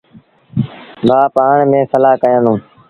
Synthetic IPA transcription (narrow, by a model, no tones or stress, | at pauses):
baːpaːɳmẽːsəlaːkəjə̃ːnũː